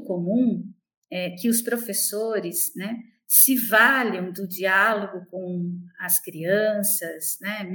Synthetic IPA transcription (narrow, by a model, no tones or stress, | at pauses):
komũ | ɛkɪʊspɾofesoɾɪsnɛː | ɪvalɐ̃w̃d̪ʊd͡ʒialoɡʊkõw̃ɐskɾiɐ̃sɐsnɛm